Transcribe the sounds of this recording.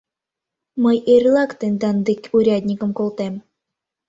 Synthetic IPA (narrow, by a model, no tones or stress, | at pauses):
məjerʲlˠɑkt̪enʲd̪ɑnd̪ekʲuɾʲɑd̪ʲnʲikə̆mkolˠt̪em